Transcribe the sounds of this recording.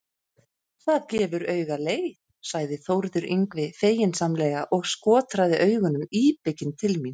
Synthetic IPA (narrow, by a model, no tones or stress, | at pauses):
θaðcɛːvʏɾœɥɣaleːj | saɣðɪθowɾðʏɾʔiŋkvɪfeːjɪnsamlɛɣaʔɔɣskɔːt̪ɾaðɪʔœːɥɣʏnʏmiːpɪcɪnt̪ʰɪlmin